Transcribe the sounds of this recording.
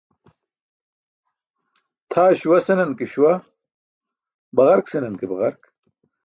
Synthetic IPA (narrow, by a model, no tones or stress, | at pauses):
t̪ʰaːɕuwɐsenɐnkiɕwa | bɐɣɐɾksenɐnkebɐʁɐɾk